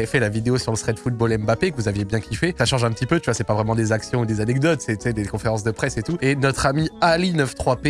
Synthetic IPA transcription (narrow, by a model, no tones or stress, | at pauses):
fɛlavid̪eosyʁləst̪χɛd̪fut̪̚bɔlɛmbapekəvuzavjebjɛ̃kʲʰifɛsaʃɑ̃ʒɛ̃p̬ət̪ipøt̪yvwasɛpavʁɛmɑ̃d̪ezaksjɔ̃ud̪ezanɛk̚d̪ɔt̪sɛsɛd̪ekɔ̃feʁɑ̃s̬d̪əpχɛset̪uenɔt̪χamialinəft̪χwape